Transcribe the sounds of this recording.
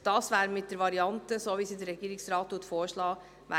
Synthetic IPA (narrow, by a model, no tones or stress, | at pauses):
d̥ɑːsʋæːɾmɪt̚d̥əɾʋɑɾiɑntəsoːʋiːsidəɾɛɡ̥iːɾɪksɾɑːt̚tuətfoːɾʃlɑː | ʋæ